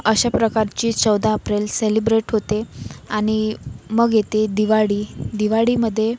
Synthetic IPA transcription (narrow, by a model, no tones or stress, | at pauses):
əɕapɾəkaɾt͡ɕiːt͡səwd̪aəpɾelselibɾeʈɦot̪eaɽ̃iməɡjet̪ed̪iʋaɽiːd̪iʋaɽiməd̪ʱːje